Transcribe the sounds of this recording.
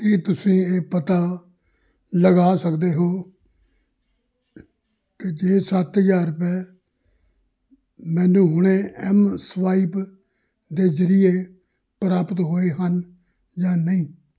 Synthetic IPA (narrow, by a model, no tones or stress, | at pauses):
kit̪ʊsĩːeːpət̪aː | ləɡaːsəkd̪eːɦoː | ked͡ʒeːsət̪ɦəzaːɾpɛː | mɛ̃ːnũːɦʊɽ̃eːɛmsʋaːiːp | d̪eːzəɾɪjeː | pɾaːpət̪ɦoːeːɦən | d͡ʒãːnəĩː